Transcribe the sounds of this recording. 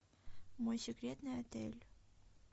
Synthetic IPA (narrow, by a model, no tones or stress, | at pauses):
mojsʲikɾʲet̪nɘæt̪ɘlʲ